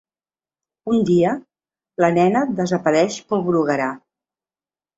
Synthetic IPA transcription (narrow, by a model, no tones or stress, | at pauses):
und̪iə | lənɛnəd̪əzəpəɾɛʃpoβɾuɣəɾa